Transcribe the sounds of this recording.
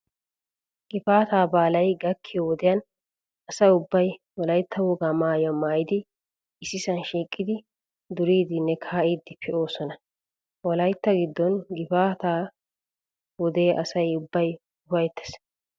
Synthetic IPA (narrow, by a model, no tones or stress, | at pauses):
ɡ̥ɪfaːt̪aːbaːlɐjɡɐkʰːɪjɔwɔd̪ɛjɐn | ɐsɐjʊbːɐj | wɔlɐjt̪ːɐwɔɡamaːjɐmaːjɪd̪ɪ | ɪsːɪsɐnʃiːkʼːɪd̪ɪ | d̪ʊɾiːd̪ɪnːɛkʰaːʔid̪ːɪpʰɪʔo̞ːsɔnɐ | wɔlɐjt̪ːɐɡɪd̪ːɔnɡɪfaːt̪aː | wɔd̪eːʔɐsɐjʊbːɐj | ʊfɐjt̪ːɛ̥s